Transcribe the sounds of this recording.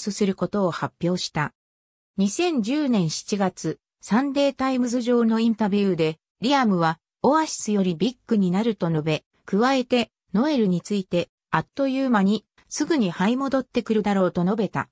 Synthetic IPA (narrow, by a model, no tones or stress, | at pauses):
sɨsɨɾɯ̟ko̞t̪o̞ːhapʲjo̞ːɕi̥t̪a | ɲ̟isẽ̞ɲ̟d͡ʑɨːnẽ̞ɰ̃ɕi̥t͡ɕiɡat͡sɨ | sãnd̪e̞ːt̪aimɯ̟zɨʑo̞ːno̞ĩnt̪abʲjɯːd̪e̞ | ɾʲiamɯ̟βa | o̞βaɕi̥sɨjo̞ɾʲibʲikːɯɲ̟inaɾɯ̟t̪o̞no̞be̞ | kɯ̟βae̞t̪e̞ | no̞e̞ɾɯ̟ɲ̟it͡sɨit̪e̞ | at̪ːo̞jɯːmaɲ̟i | sɨɡɯ̟ɲ̟ihaimo̞d̪o̞t̪ːe̞kɯ̟ɾɯ̟d̪aɾo̞ːt̪o̞no̞be̞t̪a̰